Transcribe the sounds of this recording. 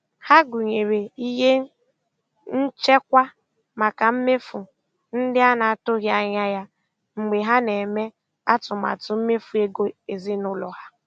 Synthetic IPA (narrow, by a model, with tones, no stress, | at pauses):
ha˦ɡu˨ɲe˨ɾe˨i˦ɦe˦ | n̩˦t͡ʃe˦kʷa˦ | ma˨ka˨m̩˦me˦fʊ˨ | n̩˦dɪ˦a˦na˨a˨tʊ˦ɣja˦ɲa˦ja˦ | ŋ͡m̩˨ɡ͡be˨ɦa˦ne˨me˦ | a˦tʊ˨ma̰˨tʊ˨m̩˦me˦fu˨e˦ɡo˦e˨zi˦nʊ˦lɔ˨ha˦